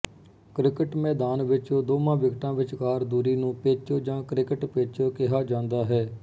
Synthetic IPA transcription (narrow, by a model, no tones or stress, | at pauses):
kɾɪkəʈmɛːd̪aːnʋɪt͡ʃoːd̪oːmãːʋɪɡʈãːʋɪt͡ʃkaːɾd̪uːɾiːnũːpeːt͡ʃoːd͡ʒãːkɾɪkəʈpeːt͡ʃoːkɪɦaːd͡ʒãːnd̪aːɦɛː